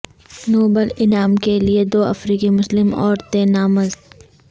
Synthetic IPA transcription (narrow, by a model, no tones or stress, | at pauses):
noːbəlɪnaːmkelied̪oːʔɐ̰fɾiːkimʊslɪmɔːɾt̪ẽnaːməzd̪